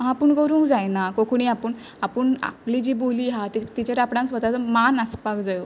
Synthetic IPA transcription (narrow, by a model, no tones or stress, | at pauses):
ɦãpəɳkəɾũːŋkd͡zajnakokuɽ̃iapəɳ | apəɳa̰plid͡ʑiːboliːɦat̪it̪it͡ɕeɾapɽãŋksʋəd̪at͡səmanaspakd͡zajo